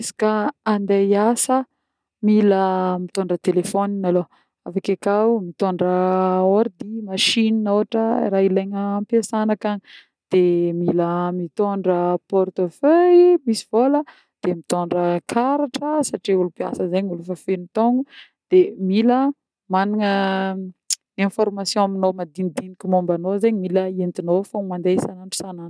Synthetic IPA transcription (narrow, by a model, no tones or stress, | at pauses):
esḁkəand̪ejasə | miləmit̪oɳɖ͡ʐət̪elefoninalo | afakakawmit̪oɳɖ͡ʐəoɾd̪imaʃininowaʈ͡ʂəḭɾaileɲəampjasanakaɲi | d̪̥emiləmit̪oɳɖ͡ʐəpɔrt̪oføjmisi̥v̥olə | d̪̥emit̪oɳɖ͡ʐəkʰaɾaʈ͡ʂəsaʈ͡ʂiulupia̰səzeɲulufafenit̪oŋɡu | d̪̥emilə | maniŋə | ẽfɔrmasjɔ̃aminomad̪inid̪inikʲumombanozeɲimiləent̪inofamand̪esanaɳʈ͡ʂu̥sanan